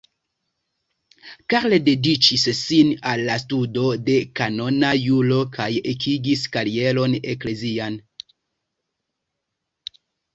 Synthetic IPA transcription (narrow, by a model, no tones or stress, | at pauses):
kaɾlede̞dit͡ʃissinalːastudo̞de̞kano̞najulo̞kʰajekʰiɡiskaɾie̞lo̞ne̞kle̞zian